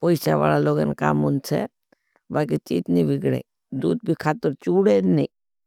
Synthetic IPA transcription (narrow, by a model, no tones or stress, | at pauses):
poisa̰ʋa̰ːlaloːɡənka̰ːmʊnsʰḛ | balket͡ʃiːt̪nĩʋɪɡɽḛː | d̪uːd̪̚bʱikʰaːt̪əɾt͡ʃuːɽenĩ